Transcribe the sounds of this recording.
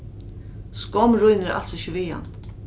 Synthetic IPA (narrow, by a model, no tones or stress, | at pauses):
skɔmɾʊjnəɾa̰lsɪçəʋiːa̰n